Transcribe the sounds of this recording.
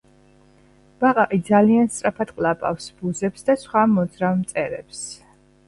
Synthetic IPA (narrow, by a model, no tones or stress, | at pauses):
b̥aqʼaqʼid̪zalianst̪sʼɾapʰat̪qʼlapʼa̰fsb̥uzɛpsd̪asχwamɔd̪zɾavmt̪sʼɛɾɛps